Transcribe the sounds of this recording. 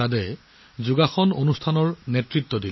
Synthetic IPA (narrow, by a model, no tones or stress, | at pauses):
adɛ | zuɡaxɔnonustʰanɔɹnetɹit̪ːɔdil